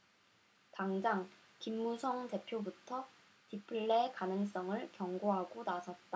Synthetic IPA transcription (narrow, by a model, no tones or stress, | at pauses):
taŋd͡ʑaŋkimːusʰʌŋte̞pʰjobutʰʌ | tipʰɯɭːekanɯŋs͈ʌŋɯɭkjʌŋɡoɦaɡonasʰʌt̚t͈a